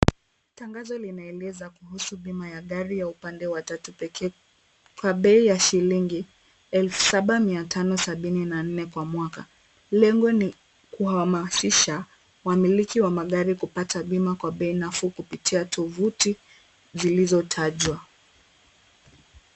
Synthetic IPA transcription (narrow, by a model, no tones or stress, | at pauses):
taŋɡazɔlinaɛlɛzakuhusuɓimajaɠaɾijaupandɛwatatupɛkʰɛ | kwaɓɛijaʃiliŋɡi | ɛlfu̥saɓamiatʰanɔsaɓininan̩nɛkwamwaka̰ | lɛŋɡɔni | kuhamasiʃa | wamilikiwamaɠaɾikupataɓimakwaɓɛinafukupitʰiatʰɔvuti | zilizɔtʰaʄwa